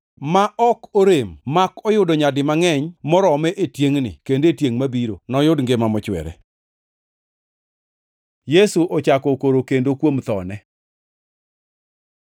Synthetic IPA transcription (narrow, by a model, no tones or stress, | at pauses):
maʔɔkoɾemːakɔjʊdɔɲadɪmaŋɛɲmɔɾɔmɛʔetjeŋnɪ̰kendetjeŋmabiɾo̰nɔjʊdŋɡemamɔt͡ʃwɛ̰ɾɛ̰ | jesuʔɔt͡ʃakɔkoɾokendokwomt̪ɔnɛ